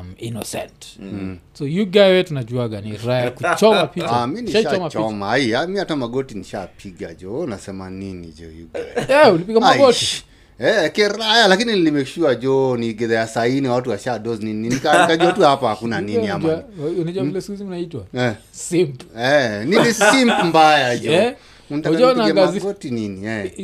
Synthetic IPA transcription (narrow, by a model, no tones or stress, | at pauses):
minɔ̰sɛ̰nt | sɔjuɡajwɛtunad͡ʒuaɡaniɾajakut͡ʃɔmapitaminiaɔmat͡ʃɔmaiamiatamaɡɔtiniʃapʰiɡa̰d͡ʒɔnasɛma̰ninḭd͡ʒɔ̰jṵɡajɛulipiɡamaɡɔti | ɛkɛɾajalakininilimɛʃiwad͡ʒɔniɡɛðɛjasainiawatuwaʃaɗɔzninininikanikaʄuatuhapahakunaniniamaunad͡ʒuailɛskiziunaitwaɛ | simpɛninisimpmbajad͡ʒɔ | untakɔniaɡaɡmaɡɔtininiɛ